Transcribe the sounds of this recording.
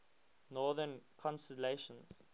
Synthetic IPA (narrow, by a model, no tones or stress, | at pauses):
nɔːðənkʰɔ̃nstɛleʃə̃nz̥